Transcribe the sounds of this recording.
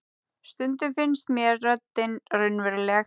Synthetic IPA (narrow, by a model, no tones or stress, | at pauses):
st̪ʏnt̪ʏmfɪnst̪mjɛɾːœt̪ːɪnrʏnvɛɾlɛː